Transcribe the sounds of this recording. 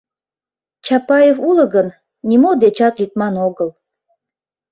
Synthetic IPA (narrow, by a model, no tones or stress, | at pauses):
t͡ɕɑpɑjefulə̆ɣən | nʲimod̪et͡ɕɑt̪lʲyt̪̚mɑnoɣəl